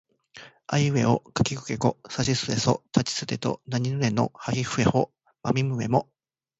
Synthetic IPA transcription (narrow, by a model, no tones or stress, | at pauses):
aiɯe̞o̰kḁkʲikɯ̟̥ke̞ko̞saɕisɨeso̰t̪ʰat͡ɕi̥sɨt̪e̞t̪o̰naɲ̟inɯne̞no̰haɡʲiɸɯ̟e̞ho | ma̰mʲimɯ̟e̞̰mo